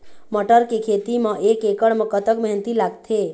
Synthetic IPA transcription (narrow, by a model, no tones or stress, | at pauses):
məʈəɾkekʰet̪imẽʔekekəɽmẽkət̪əkməɦnt̪ilaɡt̪ʰe